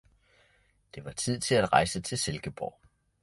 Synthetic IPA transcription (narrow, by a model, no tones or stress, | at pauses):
d̥e̝ʋɑ̈t͡sʰið̞̰ˠt͡sʰe̝læd̥ʁɑ̈ɪsət͡sʰe̝lselɡ̥əb̥ɒ̰ʊ̰